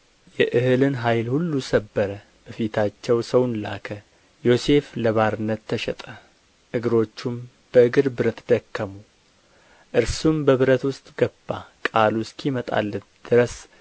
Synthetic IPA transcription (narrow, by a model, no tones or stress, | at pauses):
jɛʔɨhɨlɨnɦajlhulːusəbːəɾə | b̥əfit̪ʰat͡ʃːɛwsəwnla̰kʰə | jo̞se̞fləβaɾɨnːət̪ʰːəʃɛt̪ʼə | ʔɨɡɨɾo̞t͡ʃːum | b̥əɨɡɨɾbɨɾət̪d̪̥əkːəmu | ʔɨɾsumbəβɨɾət̪wʊst̪ʼɡ̥əb̥ːakʼaluskʰimət̪ʼa̰lːət̪d̪̥ɨɾəs